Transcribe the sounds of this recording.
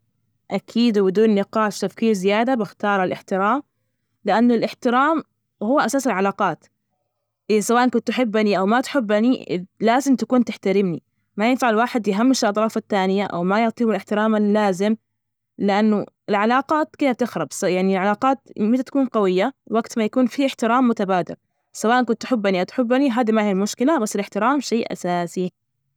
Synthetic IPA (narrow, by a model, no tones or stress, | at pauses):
ʔakʰiːd̪bɪd̪uːnːɪqɑːʃt̪afkiːɾzɪjaːd̪abɪxt̪ɑːɾˤalʔɪħt̪ɪɾaːm | lɪʔanːʊlʔɪħt̪ɪɾaːm | hʊwːʔasaːsɪlʕalaːqɑːt̪ | ʔɪsawaːʔankʊnt̪ːħɪbːaniʔawmat̪ħɪbːaniɪ̰laːzɪmt̪akuːnt̪ɪħt̪aɾɪmni | majɪnfaʕɪlwaːħɪd̪jɪɦamːɪʃɪlʔɑt̪ˤɾˤɑːfat̪ːaːnɪjaʔa̰wmajɪʕt̪ˤiːbɪlɪħt̪ɪɾaːmaːaːzɪm | lɪʔanːʊ | ɪlʕalaːqaːt̪kɪːd̪at̪ɪxɾˤɑbsjaʕnilʕalaːqɑːt̪mɪnat̪ḁkuːnqɑwɪjːawaɡt̪majakuːnfiʔɪħt̪ɪɾaːmːʊt̪abaːd̪ɪ̰ɾ | sawaːʔank̬ʊnt̪ːħɪbːaniʔawt̪ħɪbːaniɦaːd̪imahiːalmʊʃkɪlabasːɪlɪħt̪ɪɾaːmʃeːʔʔa̰saːsi